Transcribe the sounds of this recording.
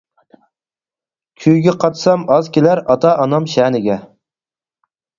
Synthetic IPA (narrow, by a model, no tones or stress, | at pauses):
kʲʰyjɡʲɛqʰɑt̪sɑmɑzkʲʰelæɾɑt̪ʰɑʔɑnɑmʃæːnɪɡʲɛ